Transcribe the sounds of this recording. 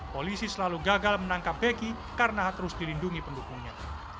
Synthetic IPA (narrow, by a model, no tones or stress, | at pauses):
polisisəlaluɡaɡalmənaŋkap̚beɡi | kaɾənaɦt̪əɾʊsdilinduŋipəndukuŋɲa